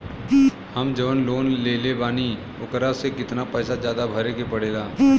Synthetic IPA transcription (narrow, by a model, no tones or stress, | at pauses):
hɐmd͡ʒəʋənloːnleːlebaːni | ʊkɾasekɪt̪napɛːsad͡ʒjaːd̪abʱəɾekepəɽeːlaː